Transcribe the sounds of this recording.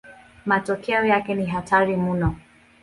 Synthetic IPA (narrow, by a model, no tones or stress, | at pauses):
matɔkɛɔjakɛniɦatʰaɾimunɔ